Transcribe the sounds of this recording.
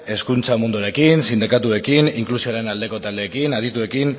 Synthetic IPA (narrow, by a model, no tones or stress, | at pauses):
e̞skunt͡samund̪uɾe̞kinsind̪ikat̪ue̞kiniŋklusioaɾe̞nald̪e̞ko̞t̪ald̪e̞ːkinað̞it̪ue̞kin